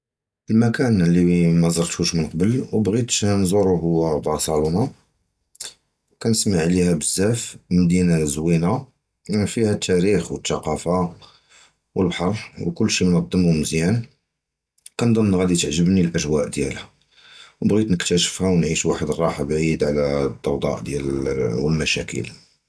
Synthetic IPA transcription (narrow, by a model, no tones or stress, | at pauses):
ʔəlmækænlːimæzˤɑɾˤt̪huʃmənqɑbəlwbɣit̪nzˤuɾˤuɦʊwːæbʕɑsˤɑlunɑ | wkænəsmaʕlihæbəzːæfmd̪inazwina | imæfihæt̪ʰːæɾixwət̪ːɑqɑfa | wəlbħɑɾˤwkʊlːʃimnɑd̪ˤːəmuməzjæn | kænd̪ˤənɣæd̪it̪əʕʒəbnilʔæʒwæʔd̪jæ̰lhæ | wbɣit̪nəkt̪æʃə̥fhæwnʕiʃwaħəd̪ərˤːɑħabʕid̪ʕlæd̪ˤːɑwd̪ˤɑ̰ʔd̪jælwəlmæʃæ̰kʰə̰l